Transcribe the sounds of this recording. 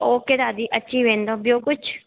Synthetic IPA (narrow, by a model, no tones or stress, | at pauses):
oːked̪aːd̪iːʔətːʃiːbẽːnd̪oːbioːkʊt͡ʃʰ